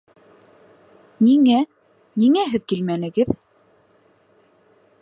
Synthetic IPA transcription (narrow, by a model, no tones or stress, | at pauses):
niŋæ | niŋæɦɘðkilmænɘ̆ɡɘð